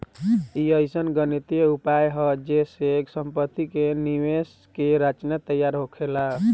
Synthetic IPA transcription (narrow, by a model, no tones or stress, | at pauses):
iəjsənɡənit̪eupajɦəd͡ʒeseksəmpət̪ːikeniʋes | keɾat͡ʃnət̪əjaɾɦokʰela